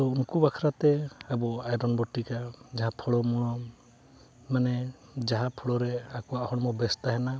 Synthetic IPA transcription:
ɔunkubakʰɾat̪ɛabɔajɾɔnbɔʈːikad͡ʒaɦapʰɔɽɔmuɽ̃ɔ | manɛd͡ʒaɦãpʰɔɽɔɾɛakɔahɔɽɔmɔbɛst̪aɦɛna

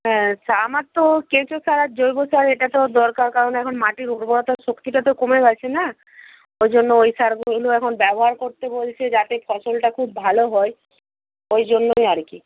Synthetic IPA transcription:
ɦɛ̃samat̪ːokẽt͡ɕosaɾat̪̚d͡ʑojbosaɾeʈat̪od̪ɔɾkaɾkaɾoneɛkʰonmaʈiɾuɾbɔɾɔt̪aʃokt̪iʈat̪okomeɡat͡ɕʰena | ojd͡ʑonːoojsaɾɡuloɛkʰonbɛboɦaɾkoɾt̪ebolt͡ɕʰed͡ʑat̪epʰɔʃolʈakʰubːʱaloɦɔe | ojd͡ʑonːojaɾki

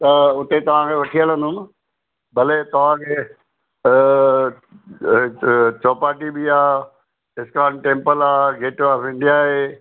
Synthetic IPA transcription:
t̪ɐʊt̪et̪ɐʋ̤ãkʰeʋɐʈʰijəl̃ə̃nd̪ʊm | bɐlet̪ɐʋ̤ãkʰeː | t͡ɕoːpaːʈibiaː | ɪskaːnʈẽːmpəlaːɡeːʈaːfɪ̃ɳɖijaːɦeː

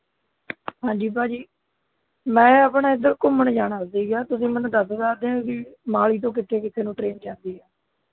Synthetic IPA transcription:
ɦãːɲd͡ʒiːbaːd͡ʒiː | mɛ̃ːəpɳaːɪd̪əɾkʊməɳd͡ʒaːnaːdiːɡaːt̪ʊsĩːmɛnũːd̪əsd̪aːd̪ẽːãɡiːmaːliːt̪̬õːk̬ɪt̪ʰːeːkɪt̪ʰeːnũːʈɾeːnd͡ʒãːnd̪iːɦɛː

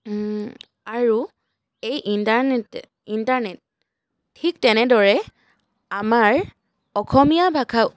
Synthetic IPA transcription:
aɹu | ejʔintaɹnɛt | intaɹnɛt̚ʰː | ik̚tɛnɛdɔɹɛ | amaɹ | ɔkʰɔmijabʱakʰaw

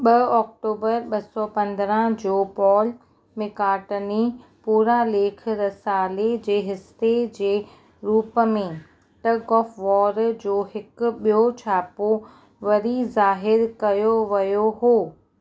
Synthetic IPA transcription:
ɓɐɔːk̚ʈoːbəɾɓɐsɔpɐ̃nd̪ɾə̃d͡ʑoːpɔːl | mẽkaːʈənipuːɾaleːk̆ʰɾɐsaːled͡ʑeːɦɪst̪ed͡ʑeː | ɾuːpəmẽ | ʈɐɡɔːfʋɔːɾd͡ʑoːɦɪkʊɓijot͡ɕʰaːpo | ʋɐɾizaːɦɪɾkɐjoʋɐjoɦoː

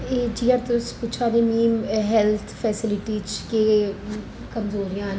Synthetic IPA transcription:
eːd͡ʒiːaɾt̪ʊʊspʊːt͡ʃʰaːd̪emiːmɦɛlt̪ʰpʰɛːsɪlɪʈiːt͡ʃkeː | kəmzoːɾijãːn

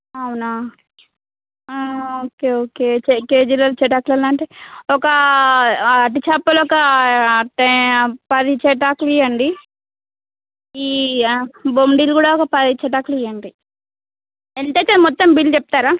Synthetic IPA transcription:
ɐwuna | oːkeːoːkeːt͡ʃekeːd͡ʒiloːt͡ʃɛʈaːklɐlaːɳʈeɔkɐː | ʈ̬it͡ʃaːpːɐlɔkɐʈpɐd̪it͡ʃɛʈaːklijɐɳɖi | iː | bomɖiːlkuːɽaːɔkɐpɐd̪it͡ʃɛʈ̬aːklijɐɳɖi | ent̪et̪ːemɔt̪ːɐmbilːt͡ʃɛp̚t̪aːɾaː

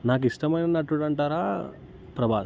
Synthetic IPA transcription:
naːk̬iʂʈɐmɐjnɐnɐʈːuɽɐɳʈaːɾaː | pɾɐbʱaː

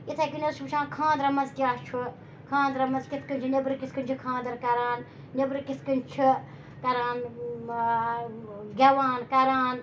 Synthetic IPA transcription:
it̪ʰɐkinɐzt͡ʃʰmɨt͡ʃʰãːnkʰãːnd̪ɾɐmɐzt̪jaːst͡ʃʰu | kʰãːnd̪ɾɐmɐzkit̪ʰkɨnʲt͡ʃʰunʲɐbɾkit̪kɨnʲt͡ʃʰukʰãːnd̪ɐɾkɐɾaːnː | ɐbɾkit̪kɨnʲt͡ʃʰu | kɐɾaːn | ɡʲɐʋaːnkɐɾaːn

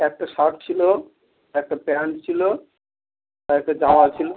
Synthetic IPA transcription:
ɛk̚ʈaʃaʈ̚t͡ɕʰilo | ɛk̚ʈapɛnt͡ɕʰilo | ɛk̚ʈad͡ʑaoat͡ɕʰilo

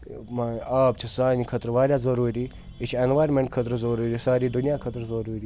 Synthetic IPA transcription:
maːaːpt͡ʃʰisaːnikʰɐt̪ɾʋaːɾjaːzɐɾuːɾiː | it͡ʃʰenʋaːjɾmeɳʈkʰɐt̪ɾzoɾuːɾiːsaːɾiːd̪ʊnjaːkʰɐt̪ɾzɐɾuːɾiː

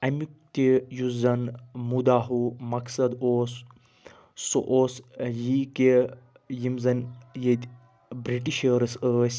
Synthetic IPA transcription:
ɐmik̚t̪ʲejuzɐnmud̪aːɦumɐksɐd̪oːs | so̰ʔoːsjiːke | jimzɐnjet̪ʲ | bɾiʈiʃəːɾɐsəːsʲ

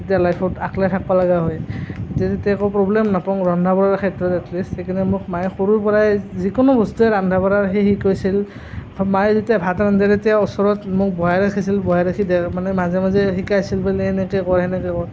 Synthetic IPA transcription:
etijalajpʰɔtaklajtʰak̚balaɡaɦɔjetiazetiakɔpɹɔblɛmnapɔŋɹɔndʱabɔɹaɹkʰɛtɹɔtɛkʰlisekʰinɛmʊk̚majxoɹuɹpɔɹajzikɔnɔbɔstuɛɹandʱabɔɹaɹɦexikojsil | majzetijabʱatɹandʱɛɾtijaɔsɔɹɔtmʊk̚bɔɦaɾakʰisilbɔɦaɾakʰidɛmanɛmazɛmazɛxikajsilbalɛhɛnɛkɛkɔɹɦɛnɛkɛkɔɹ

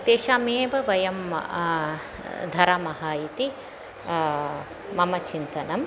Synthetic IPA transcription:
t̪eːʃaːmeːʋɐʋɐjɐm | d̪ʱɐɾaːmɐɦaːjit̪i | ɐmɐt͡ʃint̪ɐnɐm

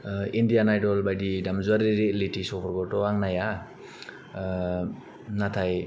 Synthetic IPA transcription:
indijanajdɔlbajdidamzuaɾiɾelitisɔpɔɾɡɔtɔaŋnaja | nat̪ʰaj

